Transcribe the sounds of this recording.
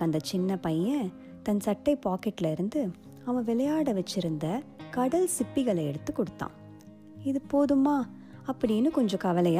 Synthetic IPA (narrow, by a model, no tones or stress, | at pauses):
ɐnd̪ɐt͡ʃɪnːɐpɐjɐ̃ | t̪ɐnsɐʈːɐɪpaːkɛʈːɪlɐɪɾɯnd̪ɯ | ɐʋɐ̃ʋɪɭɐjaːɽɐʋɛt͡ʃːɪɾɯnd̪ɐkɐɽɐlsɪpːɪɣɐɭɐɛ̰ɽɯt̪ːɯkːɔɽɯt̪ːã̰ː | ɪðɯpoːðɯmaː | ɐpːɐɽɪjnːɯkɔɲd͡ʒɔ̃kɐʋɐlɐja